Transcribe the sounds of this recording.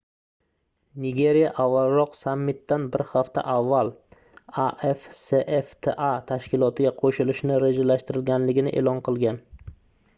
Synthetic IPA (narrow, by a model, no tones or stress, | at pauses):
nɪɡʲe̞ɾijaʔavːalˠɾɒqsamːɪt̪ːanbɪɾhaft̪a̰ʔavːalˠ | aʔefseʔeft̪ʰeʔat̪ʰaʃkʲɪlˠɒt̪ʰɪɡʲaqʰoʃɪlɪʃnɪɾed͡ʒalaʃt̪ɪɾɪlɡʲanlɪɡʲɪnɪʔḛːlˠɒnqʰɨlˠɡʲan